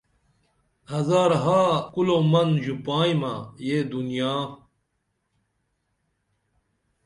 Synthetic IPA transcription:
hɐzaːɾɦaːkulomɐnʑupaːjmɐ̰jed̪unjaː

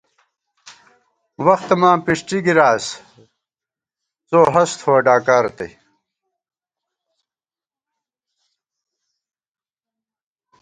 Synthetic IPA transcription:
wɐxt̪ɐmãːpiʂʈiɡiɾaːs | t͡soːɦɐst̪ʰhoːɖaːkaːɾt̪ḛ

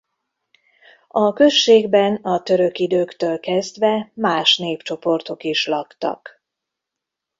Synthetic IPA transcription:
ɒkø̞ʃːeːɡbɛnɒt̪ø̞ɾø̞kid̪øːkt̪øːlkɛzd̪ʋɛmaːʃneːpt͡ʃo̞po̞rt̪o̞kiʃlɒkt̪ɒ̰k

